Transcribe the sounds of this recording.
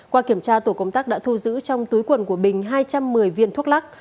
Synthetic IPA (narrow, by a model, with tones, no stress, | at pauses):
kwaː˧ki˧˩əmt͡ɕaː˧t̪o˧˩kə˧wŋ͡mt̪aː˦˥k̚ɗa̰ː˧˥t̪ʰu˧zɨ̰˧˥t͡ɕɔ˧wŋ͡mt̪u˨˦jkwə˨˩nku˧˩əɓï˨˩ŋ̟ɦaː˧jt͡ɕa˧mːɨ˨˩əjvi˧ənt̪ʰu˦˥k̚la˦˥k̚